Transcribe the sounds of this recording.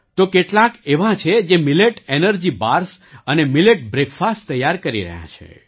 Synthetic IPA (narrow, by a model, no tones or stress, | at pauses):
t̪okeʈlãkeʋãt͡ʃʰed͡ʒemileʈenəɾd͡ʒibaɾsənemileʈ̚bɾekfastt̪ːəjaɾkəɾḭɾə̰ɦjã̰t͡ʃʰḛ